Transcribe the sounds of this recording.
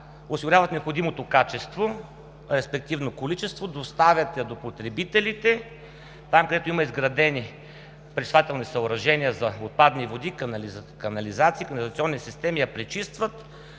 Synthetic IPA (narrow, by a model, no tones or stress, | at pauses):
ʊsiɡʊɾʲavɐt̪nɛopxod̪imot̪okat͡ʃɛst̪vo | ɾɛspɛkt̪ivnokolit͡ʃɛst̪vod̪ost̪avʲjɐt̪ɐd̪opot̪ɾɛbit̪ɛlit̪ɛ | t̪amkəd̪ɛt̪oimɐizɡɾɐd̪ɛni | pɾɛsvat̪ɛlˠnisɐoɾɐʒɛniəzɐot̪̚pad̪nivod̪ik̪kɐnɐlizat̪siːkɐnɐlzɐt̪siɔnːisist̪ɛmijɐpɾɛt͡ʃist̪vət̪